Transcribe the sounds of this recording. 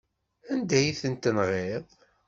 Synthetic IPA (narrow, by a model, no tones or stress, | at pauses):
ænd̪æjiθənt̪ənʁeðˤ